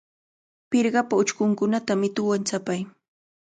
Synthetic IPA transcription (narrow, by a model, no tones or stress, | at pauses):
pɪɾɢɑpaʊt͡ʃkʊŋkʊnat̪amɪt̪ʊwant͡sapaj